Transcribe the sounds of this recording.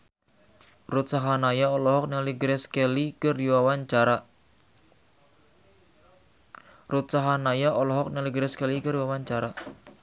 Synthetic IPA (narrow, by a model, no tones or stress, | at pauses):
rut̪̚saɦanajaɔlɔɦɔk̚naliɡɾɛskelikəruwawaɲt͡ʃaɾa | rut̪saɦanajaʔɔlɔɦɔk̚nɛliɡɾɛskɛlikərjuwawaɲt͡ʃaɾa